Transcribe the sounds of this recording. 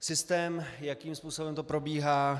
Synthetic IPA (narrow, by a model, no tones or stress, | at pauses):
sɪst̪ɛːmjakiːmspuːso̞bɛmt̪o̞pɾo̞biːɦaː